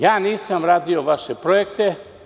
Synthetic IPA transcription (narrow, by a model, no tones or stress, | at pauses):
jaːniːsamɾaːd̪ioʋaʃepɾojekt̪e